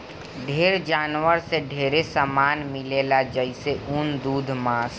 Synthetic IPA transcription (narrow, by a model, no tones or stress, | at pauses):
ɖʱeːɾd͡ʒaːnwəɾseɖʱeːɾesəmaːnmɪleːlad͡ʒəɪseʔund̪uːd̪ʱmãːs